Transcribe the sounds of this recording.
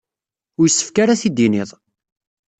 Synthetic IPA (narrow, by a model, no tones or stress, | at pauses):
ʊɾjəsːə̥fkaɾaθid̪iniðˤ